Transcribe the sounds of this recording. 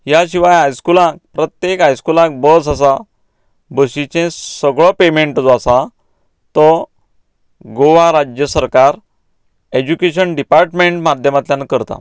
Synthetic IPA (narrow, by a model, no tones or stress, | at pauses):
ɦjaɕiʋajɦajskulãk̚pɾət̪jekɦajskulãk̚bəsas̬a | bəɕit͡ɕẽsəɡɭɔpemeɳʈd͡zɔasa | t̪ɔ | ɡoʋaɾad͡ʑjəsəɾkaɾ | ed͡ʑukeɕənɖipaɾʈmeɳʈmad̪ʱjəmat̪ljãnkəɾt̪a̰